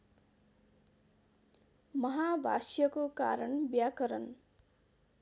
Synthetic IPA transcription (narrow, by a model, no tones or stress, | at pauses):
mʌɦabʱa̰sjʌkoka̰ɾʌnbjakʌɾʌn